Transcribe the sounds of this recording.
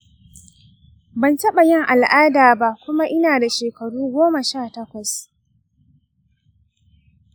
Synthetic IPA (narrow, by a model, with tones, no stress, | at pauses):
bɐ˨ntɐ˦ɓa˨jɪ˦˨ŋʔa˨lʔaː˦daː˨ba˦ʔkʷʊ˦ma˦ʔɪ˦naː˨da˨ʃeː˨kɐ˨ɽuː˦ɡʷoː˦ma˨ʃaː˦˨tɐ˦kʷɐ˨s